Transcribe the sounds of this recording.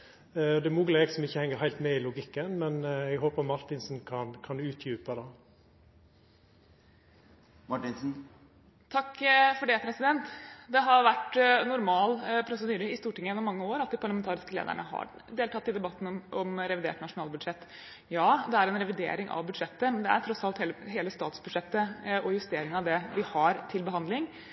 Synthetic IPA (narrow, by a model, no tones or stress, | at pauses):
ɔd̪ɛmʊːɡəleːɡsɔmɪçːəhɛŋːəhæɪlt̪mɛɪlʊɡɪkːənmɛnɛɡɦoːpəɾmɑɾt̪ɪnsnkʰɑnkʰɑnʉːt̪ʰjʉːpəd̪ɑ | mɑʈɪnsn̩ | t̪ʰɑkːfɔɖɛpʰɾɛsɪd̪ɛnt̪d̪ɛɦɑɾʋæʈnʊɾmɑːlpʰɾʊsəd̪yːɾəɪst̪uːʈɪŋːəjɛnːɔmɑŋːəoːɾɑt̪̚d̪iɪpʰɑɭɑmɛnt̪ʰɑːɾɪskəlḛːd̪ə̰ɳə̰ɦɑ̰ | d̪eːlt̪ʰɑt̪ːɪd̪ɛbɑt̪ːn̩ʔɔmɾɛʋɪd̪eːʈnɑʂʊnɑːlbʉd̪ʂɛt̪ː | jɑːd̪ɛæɾɛnɾɛʋɪd̪ḛːɾɪŋʔɑ̰ʋbʉd̪ʂɛt̪ːəmɛnd̪ɛæ̰ɾʈ̪ʰɾɔsɑlt̪heːləɦeːləst̪ɑːt̪sbʉd̪ʂɛt̪ːəɔjʉst̪eːɾɪŋɑʋd̪ɛʋɪhɑɾt̪ʰɪlbəɦɑnd̪lɪŋ